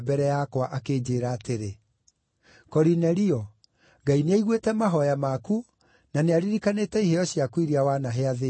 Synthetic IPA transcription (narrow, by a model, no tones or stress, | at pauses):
bɛɾɛjakwaʔakeːd͡ʑeːɾaːteɾe | kɔɾinɛɾiɔ | ɡaineaiɣwetɛmaɦɔjamaku | naneaɾiɾikanetɛiɦejɔɕiakwiɾiawanaɦeaðe